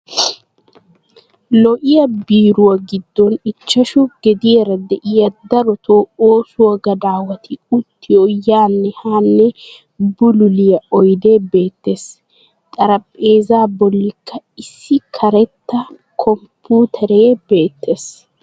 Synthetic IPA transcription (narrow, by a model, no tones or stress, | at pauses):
lɔʔɪjɐbiːɾʊwɐɡɪd̪ːɔnɪt͡ʃːɐʃʊɡɛd̪ɪjɛɾɐd̪ɛʔɪjɐd̪ɐɾɔt̪ʰoːoːsʊwɐɡɐd̪aːwɐt̪ʰɪʊt̪ʰːɪjojaːnːɛhaːnːɛ | bʊlʊlɪjɐɔjd̪e̞ːbe̞ːt̪ːe̞ːs | t̪ʼɐɾɐpʼːe̞ːzaːbɔlːɪkʰːɐɪsːɪkʰɐɾɛt̪ːɐ | kʰɔmpuːt̪ʰɐɾeːbe̞ːt̪ːe̞ːs